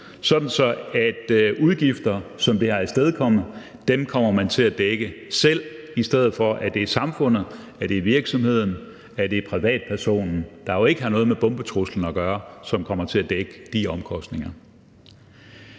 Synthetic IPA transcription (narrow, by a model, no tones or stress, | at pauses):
sɒ̽d̥n̩sɒ̽æd̥uð̞ˠɡ̥ifd̥ɐsɒ̽md̥e̝hɑ̈æsd̥eð̞ˠkʰɒ̽m̰ð̩ˠ | d̥emkʰɒ̽m̰ɐmænt͡sʰe̝æd̥eɡ̥əsel̰isd̥eð̞̰̩ˠfɒ̽ʔæd̥e̝sɑ̈mfɔ̽n̰ð̩ˠ | æd̥e̝ʋiɐɡ̥sɒ̽mhe̝ð̞̰ˠn̩ | æd̥e̝pʰʁiʋɛ̰ːd̥̚pʰæɐso̝̰ːnn̩d̥ɑ̈jo̝e̝ɡ̥əɦænɔ̽ːð̞̩ˠmeb̥ɔ̽mb̥ət͡sʰʁusl̩n̩ɒɡ̥ɶːɐsɒ̽mkʰɒ̽m̰ɐt͡sʰe̝æd̥eɡ̥əd̥iɒ̽mkʰɒ̽sd̥ne̝ŋɐ